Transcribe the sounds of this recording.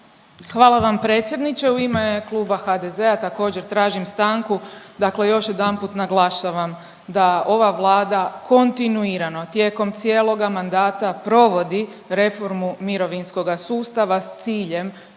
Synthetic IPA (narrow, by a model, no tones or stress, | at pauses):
xʋaːlˠaʋampɾet̪sje̞d̪nit͡ʃe̞uimeklˠuːbaxad̪eze̞at̪ako̞ːd͡ʑeɾt̪ɾaːʒimst̪aŋkud̪akle̞jo̞ʃje̞d̪anpuːt̪naɡlˠaʃaʋam | d̪ao̞ʋaʋlˠaːd̪ako̞nt̪inuiɾano̞t̪je̞ːko̞mt̪sijeːlˠo̞ɡamand̪aːt̪apɾo̞ʋo̞d̪iɾe̞fo̞ɾmumiɾo̞ʋinsko̞ɡasuːst̪aʋast̪siːʎe̞m